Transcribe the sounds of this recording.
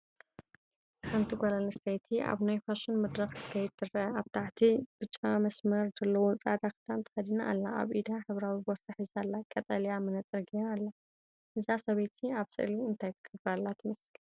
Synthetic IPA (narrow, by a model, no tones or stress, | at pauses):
ħʰant̪ʰiɡʷalalɨst̪ʰɐjt̪ʰiʔa̰βnajfaʃɪnmɨd̪ɾɐxt̪ʰɨ̥kʰɐjɛd̪̚t̪ʰɨrɐʔɐaβt̪ʰaʕt̪ʰib̥ɨt͡ʃʼamɐsmɐɾzɐlːɐwot͡sʼad̪akɨd̪ant̪ʰɨ̥xɐd̪inaʔːlːaa̰βʔid̪aħɨβɾawiboɾsaħizalːakʼɐt̪ʼɐljamɨnɐt͡sʼɨɾɡialːa | ʔɨzasɐβet̪ʰiaβsɨ̰ʔliɨnt̪ʰajt̪ʰɨ̥kʰɐfɾalːat̪ʰɨmɨsl